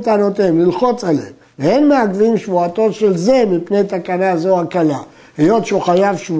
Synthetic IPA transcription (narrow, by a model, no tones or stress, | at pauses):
t̪anot̪emlilχo̞t͡salḛmveenmeaɡvimʃvuat̪o̞tʃe̞lze̞mipnejt̪akanazoakala | hejo̞t̪ʃeuχajavʃvu